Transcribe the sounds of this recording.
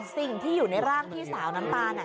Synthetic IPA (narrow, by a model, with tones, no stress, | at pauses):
si˨˩ŋt̪ʰiː˥˩juː˨˩na˧jɾaː˥˩ŋt̪ʰiː˥˩saː˩˦wna˦˥mt̪aː˧nʔa˨˩